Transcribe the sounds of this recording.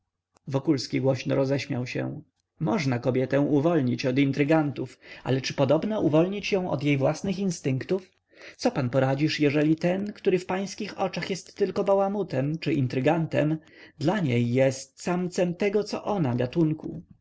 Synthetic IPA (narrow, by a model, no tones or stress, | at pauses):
vɔkulskʲiɡwɔɕnɔɾɔzɛɕmʲjawɕɛ̰̃ | mɔʐnakɔbʲjɛt̪ɛ̃w̃ʔuvɔlɲit͡ɕɔd̪int̪ɾɘɡant̪ufa̰lɛt͡ʂɘpɔd̪ɔbnaʔuvɔlɲit͡ɕjɔ̃w̃ʔɔ̰d̪ʲjejvwasnɘxinst̪ɘŋkt̪uf | t̪sɔpanpɔɾad͡ʑiʂjɛʐɛlʲit̪ɛnkt̪uɾɘfpaj̃skʲixɔt͡ʂaxjɛst̪ːɘlkɔbawamut̪ɛmt͡ʂɘʔint̪ɾɘɡant̪ɛ̰md̪laɲejːɛst̪samt̪sɛmt̪ɛɡɔt̪sɔ̰ʔɔnaɡat̪uŋkṵ